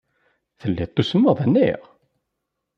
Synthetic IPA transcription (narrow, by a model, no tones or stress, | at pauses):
θəlːit̪ˤːusəmːəðˤənːḭʁ